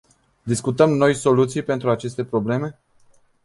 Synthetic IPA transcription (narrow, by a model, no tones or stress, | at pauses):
d̪iskut̪əmno̞jso̞lut̪sijpe̞nt̪ɾuat͡ʃe̞st̪e̞pɾo̞ble̞me̞